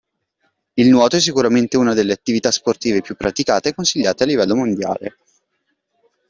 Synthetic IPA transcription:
ilnwɔːt̪oɛs̬ːikuɾament̪euːnad̪elːeat̪ːivit̪asport̪iːvepjupːɾʔat̪ikaːt̪ekːonsiʎːaːt̪ealːivɛlːomond̪ja̰ːle

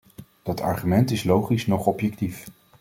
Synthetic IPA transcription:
d̥ɑtɑ̰ɹχymɛntɪslowχisnɔχɔpjɛktif

